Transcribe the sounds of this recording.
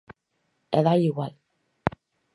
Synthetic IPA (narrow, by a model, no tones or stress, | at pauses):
eðaiɣwal